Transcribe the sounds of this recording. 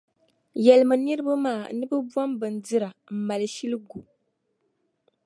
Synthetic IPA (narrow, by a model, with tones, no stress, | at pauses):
jɛ˨lɨ˨mɨ˨nɨ˦ɾɨ˦ba˦maː˦˨nɨ˦bɨ˦bwa˦mbɨ˨n˨dɨ˦ɾa˨m̩˨ma˨lɨ˨ʃi˦lɨ˦ɡu˨